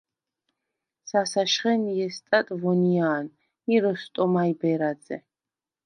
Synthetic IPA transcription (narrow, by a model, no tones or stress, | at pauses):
sasaʃχɛnjɛst̪ʼat̪ʼvɔnijaːn | iɾɔst̪ʼɔmajbɛɾad̪zɛ̰